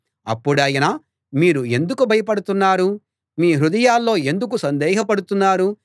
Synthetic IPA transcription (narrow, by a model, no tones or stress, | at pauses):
ɐ̰pːuɽɐːjɐnɐ | miːɾue̞nd̪ukubʱɐjɐpɐɽut̪unːaːɾu | miːɦɾud̪ɐjaːlːo̞ːe̞nd̪uk̬usɐnd̪ɛːɦɐpɐɽut̪unːaːɾu